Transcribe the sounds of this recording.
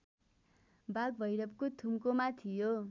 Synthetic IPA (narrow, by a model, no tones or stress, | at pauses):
baɡ̚bʱʌjɾʌp̚kot̪ʰumkomat̪ʰijo